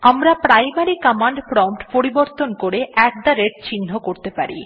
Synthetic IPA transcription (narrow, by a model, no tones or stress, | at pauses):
amɾapɾajmaɾikamaɳɖfɾɔwnʈpoɾiboɾt̪onkoɾeɛk̚d̪aɾeɾt͡ɕinːokoɾt̪epaɾḭ